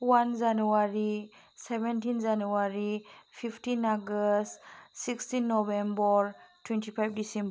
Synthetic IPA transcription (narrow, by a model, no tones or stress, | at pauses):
wand͡ʒanuaɾi | sɛbɛntinzanuaɾipʰipʰtinaɡəstsikstinːɔbembɔɾtwɛntipʰajb̚disɛ̃mb